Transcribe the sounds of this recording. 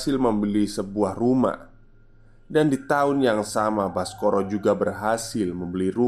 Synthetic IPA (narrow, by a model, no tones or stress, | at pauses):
sɪlməmbəlisəbuahruma̰h | dandit̪aʊnjaŋsamabaskoɾɔd͡ʒuɡabərɦasɪlməmbəliɾu